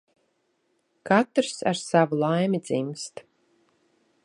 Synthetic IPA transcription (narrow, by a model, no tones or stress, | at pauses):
kat̪ɾsa̰ɾsavulˠajmʲid̪zimst̪